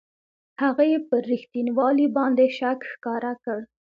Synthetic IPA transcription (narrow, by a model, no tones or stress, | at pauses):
haɣajepəɾixt̪inwɑlibɑnd̪eʃakxkɑɾakəɽ